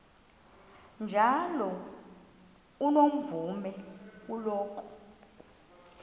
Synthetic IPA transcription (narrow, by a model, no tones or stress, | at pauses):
nd͡ʒʱalɔ | unom̩vumɛkulɔːkʰʼɔ̥